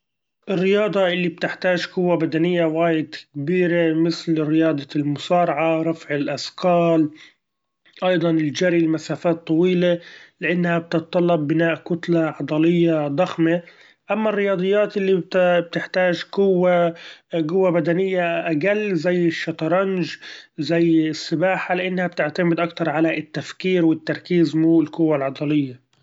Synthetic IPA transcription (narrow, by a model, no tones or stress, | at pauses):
ʔɪrːɪjɑːd̪ˤɑʔɪlːib̚t̪ɪħt̪aːʒkʊwːabad̪anɪjːawaːjɪd̪kbiːɾemɪθlɪrːɪjɑːd̪ˤɑlmʊsɑːɾˤɑʕaɾˤɑfʕɪlʔasqɑːl | ʔɑjd̪ˤɑnɪld͡ʒaɾilmasaːfaːt̪ˤːɑwiːlelɪʔanːhab̚t̪ɨt̪t̪ˤːɑlːɑbːɪnaːʔkʊt̪laʕɑd̪ˤɑlɪjːad̪ˤɑxme | ʔamːarːɪjɑːd̪ˤɨjːaːt̪ʔɪlːit̪b̚t̪ɪħt̪aːʒɡʊwːa | ɡʊwːabad̪anɪjːaʔaɡalːzajːɪʃːɑt̪ˤɑɾˤɑnʒzajːɪsːɪbaːħalɪʔanːhab̚t̪ɪʕt̪amɪd̪ʔakt̪ɑɾˤʕalaɪt̪ːafkiːɾwɪt̪ːɑɾˤkiːzmuːɪlkʊwːalʕɑd̪ˤɑlɪjːa